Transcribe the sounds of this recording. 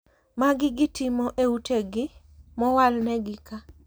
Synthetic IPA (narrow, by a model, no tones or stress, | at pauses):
maɡɪɡɪtɪmɔʔeutʰeɡɪ | mɔwalnɛɡɪka